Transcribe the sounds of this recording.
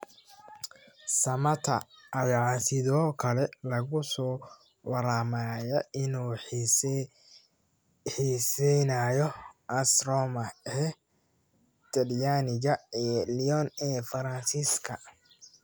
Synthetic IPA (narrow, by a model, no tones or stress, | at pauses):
sɐmɐt̪ʰɐ̰ʔːjɑʕsɪðɔːkʰɐlɛlɐɣʊsɔː | wɑɾaːmaːjɔʔɪnuː | ħisɛjnaːjɔʔɐsɾɔːmɐɛ | t̪ʰɐɾjanɪɣɐɛliɔnɛːfɐɾɐnsiskʰɐ